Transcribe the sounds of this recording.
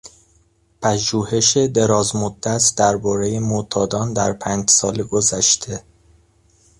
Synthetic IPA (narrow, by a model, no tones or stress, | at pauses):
pʰæʒuːhe̞ʃed̪e̞ɾɒːzmod̪ːæsd̪̥æɾbɒːɾe̞je̞mot̪ʰɒːd̪ɒːnd̪æɾpʰæːnd͡ʒsɒːleɡozæʃt̪ʰe̞